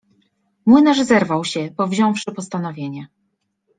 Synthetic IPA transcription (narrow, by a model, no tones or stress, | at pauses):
mwɘnaʐzɛɾvawɕɛbɔvʑɔ̃w̃fʂɘpɔst̪an̪ɔvʲjeɲɛ